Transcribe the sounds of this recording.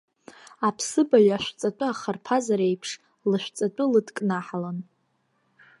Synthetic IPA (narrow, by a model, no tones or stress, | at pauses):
apʰsɨbajaʃᶣʷt͡sʼat͡pʷʼʊaχarpʰazaɾejpʰʂ | lɨʃʷᶣt͡sʼat͡pʷʼʊlɨdkʼnaħalan